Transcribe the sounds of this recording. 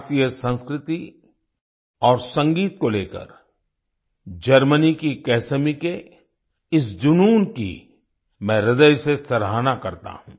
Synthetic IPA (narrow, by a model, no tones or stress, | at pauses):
t̪ijəsə̃nskɾɪt̪i | ɔːɾsɐ̃ŋɡiːt̪̚koleːkə̰ɾ | d͡ʒɐɾmənikikɛːsəmike | ɪsd͡ʒʊnuːnkḭ | mɛ̃ːɾɪd̪əjsesɐɾɦaːnakɐɾt̪a̰ɦũː